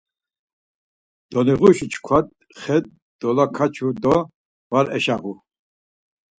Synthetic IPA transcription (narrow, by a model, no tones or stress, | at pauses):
d̪̥ɔniʁuʃit͡ʃʰkʰwad̪̚ | χɛd̪̚ | d̪̥ɔlakʰat͡ʃʰud̪ɔ | vaɾɛ̰ʃaʁu